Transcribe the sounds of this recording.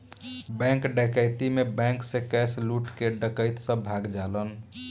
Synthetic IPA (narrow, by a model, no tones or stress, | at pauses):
bɛ̃ŋkɖəkəɪt̪imebɛ̃ŋksẽkɛsluʈkeɖəkəɪt̪sə̃bʱaɡd͡ʒalən